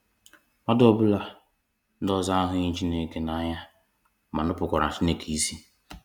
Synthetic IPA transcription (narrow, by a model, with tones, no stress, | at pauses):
ma˦dɔ˦bʊ˦la˦ | n̩˦dɔ˦za˦a˦ɦʊ˦ɲi˦t͡ʃi˦ne˨ke˨˦na˨˦˨ɲa˦ | ma˨nʊ˦pʊ˨kʷɔ˨ɾa˨t͡ʃi˦ne˨ki˨i˦si˦